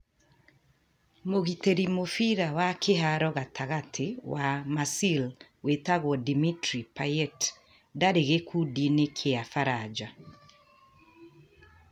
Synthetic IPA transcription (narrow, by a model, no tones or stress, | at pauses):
moɣiteɾimofiɾawakeɦaɾɔɣatʰaɣatʰewamasilwetaɣwɔdimitɾipajɛt | daɾeɣekʰudinekʰeafaɾad͡ʒa